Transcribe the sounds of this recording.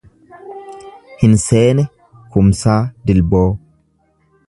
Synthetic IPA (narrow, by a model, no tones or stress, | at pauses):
hɪnse̞ːnɛ | kʊmsaːd̪ɪlbo̞ː